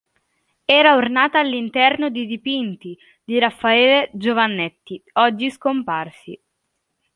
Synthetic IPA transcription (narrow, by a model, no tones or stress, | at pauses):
ɛːɾaornaːt̪aːlːint̪ɛrnod̪id̪ipint̪i | d̪iɾafːaɛːled͡ʒovanːɛt̪ːiɔd͡ʒːiskomparsḭ